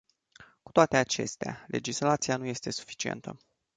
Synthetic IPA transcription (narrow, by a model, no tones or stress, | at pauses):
kut̪oat̪e̞at͡ʃe̞̰st̪ea̰le̞d͡ʒislat̪sianuje̞st̪e̞su̥fi̥t͡ʃiḛnt̪ʰə̰